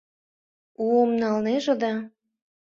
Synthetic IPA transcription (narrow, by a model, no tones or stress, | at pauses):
uomnɑlneʒɤ̆d̪ɑ